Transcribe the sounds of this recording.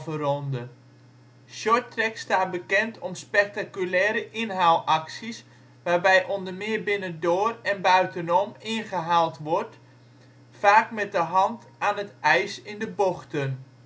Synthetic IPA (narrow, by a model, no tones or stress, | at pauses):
vərɔndə | ʃɔtrɛkstaːt̚bəkɛntʰɔmspɛk̚takylɛːɾəʔɪnɦaːwlˠʔaksis | ʋaːrbɛjʔɔndərmɪəbɪnəndoːrɛnbœɥtənɔmɪnχəɦaːlˠtʋɔrt | faːkmɛt̚dəɦɑnt | aːnətɛjsɪndəboxtən